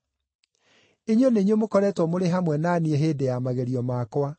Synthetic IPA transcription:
eɲoneɲomokɔɾɛːtwɔmoɾeɦamwɛnaniɛɦeːdejamaɣeɾiɔmakwa

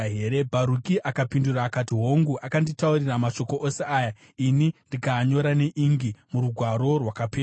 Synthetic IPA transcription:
ɦeːɾe̞bʱaɾukiʔakapinduraːkatiɦo̞ŋɡuʔakanditauriramaʃo̞ko̞ʔoseaːja | inindikaɲo̞ɾane̞ʔiŋɡimuɾuɡʱwaɾo̞rwakapeː

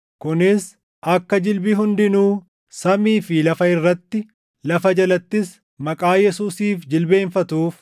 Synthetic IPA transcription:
kʊnɪs | ʔɐkːɐd͡ʒɪlbɪɦʊnd̪ɪnuː | sɐmiːfɪlɐfɐɪrːɐt̪ːɪ | lɐfɐd͡ʒɐlɐt̪ːɪs | mɐkʼaːjɛsuːsiːfd͡ʒɪlbe̞ːnfɐt̪uːf

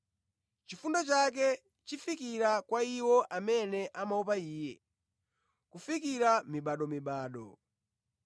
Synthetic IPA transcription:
t͡ʃifundat͡ʃak̬ɛ | t͡ʃifikiɾakwaiwɔʔamɛnɛʔamaup̬aiːjɛ̰ | kufik̬iɾamiɓaɗɔmiɓaːɗɔ̰

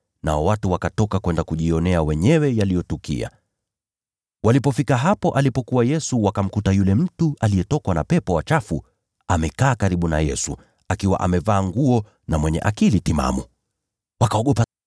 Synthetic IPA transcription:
na̰ɔwatuwakatɔkakwɛndakuʄiɔnɛawɛɲɛwɛjalijɔtukḭa̰ | walipɔfikaɦapɔʔalipɔkuwajɛsuwakam̩kutajulɛm̩tualijɛtɔkwanapɛpɔwat͡ʃafu | amɛkaːkaɾiɓuna̰jɛsu | akiwa̰ʔamɛvaːŋɡuɔ | namwɛɲɛ̰ʔakilitima̰mu | wakaɔɠɔpa

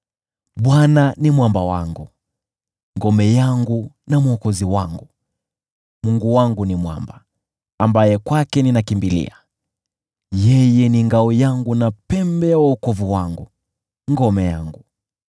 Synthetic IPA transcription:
ɓwananimwambawa̰ŋɡu | ŋɡɔmɛjaŋɡu | namwɔkɔziwaŋɡu | muŋɡuwaŋɡunimwa̰mba | ambajɛkwakɛninakimbilḭa | jɛjɛniŋɡaujaŋɡunapɛmbɛjawaukɔvuwaŋɡu | ŋɡɔmɛja̰ŋɡu

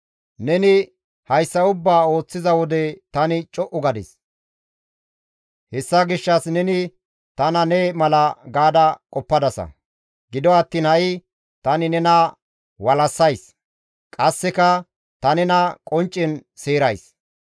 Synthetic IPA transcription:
nɛnɪ | hɐjsːɐʊbːaːo̞ːt͡sːɪzɐwɔd̪ɛt̪ɐnɪt͡ʃʼɔʔʊɡɐd̪ɛ̰s | hɛsːɐɡɪʃːɐsnɛnɪ | t̪ɐnɐnɛmɐlɐɡaːd̪ɐkʼɔpːɐd̪ɐsɐ̰ | ɡɪd̪ɔɐt̪ːiːnhɐjɪ | t̪ɐnɪnɛnɐ | wɐlɐsːɐjs | kʼɐsːɛkɐ | t̪ɐnɛnɐkʼɔnt͡ʃʼːɪnseːɾɐjs

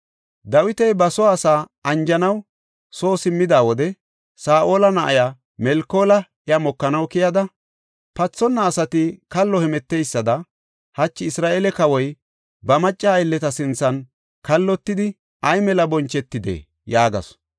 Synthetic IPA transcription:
d̪ɐwɪt̪ɛjbɐsɔaːsaːɐnd͡ʒɐnɐw | so̞ːsɪmːɪd̪aːwɔd̪ɛ | saːʔo̞ːlɐnɐʔɐja | mɛlko̞ːlɐ | jɐmɔkːɐnɐwkɪjɐd̪ɐ | pɐt͡sːɔnːɐːsɐt̪ɪkɐlːɔhɛmɛt̪ːejsːɐd̪ɐ | hɐt͡ʃːɪɪsɾaːʔeːlɛkɐwɔj | bɐmɐt͡ʃʼːɐːjlːɛt̪ɐsɪnt͡sːɐn | kɐlːɔt̪ːɪd̪ɪ | ɐjmɛlɐbɔnt͡ʃːɛt̪ːɪd̪ḛː | jaːɡɐ̰s

